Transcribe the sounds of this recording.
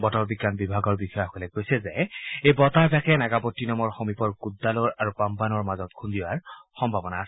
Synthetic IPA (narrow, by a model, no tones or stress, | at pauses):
bɔtɔɹbiɡːanbibʱaɡɔɹbixɔjɔxɔlɛkːojsɛzɛejbɔtapakɛnaɡapɔtːinɔmɔɹxomipɔɹkudːalɔɹaɹupampanɔɹmazɔtkʰundiwaɹxɔmbʱabɔnaː